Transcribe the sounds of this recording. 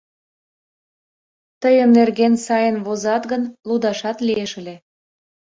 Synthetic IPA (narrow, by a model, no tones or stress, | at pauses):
t̪əjəmnerɣensɑjənβozɑt̪ɣənlud̪ɑʃɑt̪lieʃəle